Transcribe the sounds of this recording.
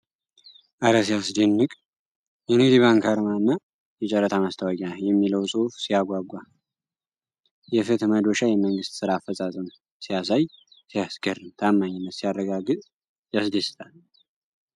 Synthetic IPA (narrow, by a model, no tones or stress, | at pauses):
ʔaɾəs̬ijasd̪enːɨkʼ | jɛnɨɡd̪iβaŋkʰaɾmanːa | jɛt͡ʃʼɛɾːət̪ʰamast̪ʰəwaɡʼajɛmːiləwsʼufsijaɡʷaɡʷa | jɛfɨt̪məd̪oʃajɛməŋɡɨst̪sɨɾaːfːət͡sʼasʼəm | sijasaj | sijasɡərːɨmt̪ʰamːaɲːɪnːət̪sijarːəɡaɡɨt̪ʼ | jasd̪est̪ʼal